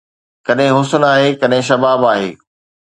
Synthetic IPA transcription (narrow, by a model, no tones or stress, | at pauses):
kɐɗɦɪ̃ɦʊsənaːɦeːkɐɗɦɪ̃ʃɐbaːbaːɦḛː